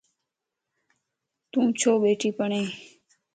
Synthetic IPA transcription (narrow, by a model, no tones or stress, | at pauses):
t̪ũːt͡ʃʰoːɓeːʈiːpəɳeː